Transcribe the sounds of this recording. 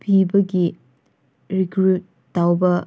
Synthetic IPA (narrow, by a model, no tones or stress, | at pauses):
pʰibɐɡi | ɾikɾutːawbɐ